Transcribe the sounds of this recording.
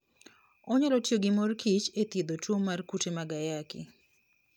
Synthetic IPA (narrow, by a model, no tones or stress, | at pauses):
ɔɲalɔtjoɡɪmorkʰit͡ʃet̪ed̪otwomːarkutemaɡajakɪ̰